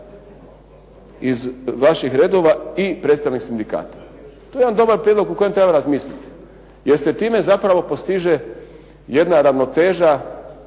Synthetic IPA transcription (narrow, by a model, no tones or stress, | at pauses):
izʋaʃixɾe̞ːd̪o̞ʋaipɾet̪st̪aʋniksind̪ika̰ːt̪ḁ | t̪ojed̪and̪o̞baɾpɾed̪loɡukojemt̪ɾe̞baɾazmiːslʲit̪i̥ | jeɾse̞t̪iːme̞zapɾaʋo̞po̞st̪iʒe̞ | je̞d̪naɾaʋno̞t̪e̞ːʒa